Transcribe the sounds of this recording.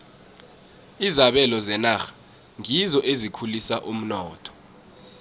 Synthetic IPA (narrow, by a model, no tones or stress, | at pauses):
izaɓɛlɔzɛnaxḁ | ŋizɔʔezikʰulisaʔum̩nɔːtʰɔ̥